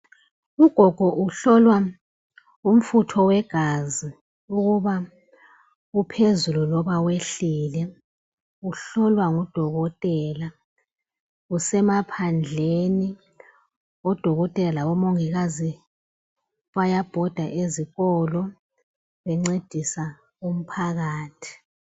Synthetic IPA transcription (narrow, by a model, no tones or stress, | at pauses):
uɡ̥ʱɔɡ̥ʱɔʔuɬɔlwa | um̩futʰɔwɛɡ̥ʱazi | uɣuβa | upʰezululɔβaweɬilɛ | uɬɔlwaŋud̥ʱɔɣɔtʼɛla | usɛmapʰand͡ɮʱeni | ɔd̥ʱɔɣɔtʼɛlaɔmoŋiɣazi | βajab̥ʱɔd̥ʱaʔeziɣɔlɔ | βɛŋ͡ǀed̥ʱisa | um̩pʰaɣaːtʰi̥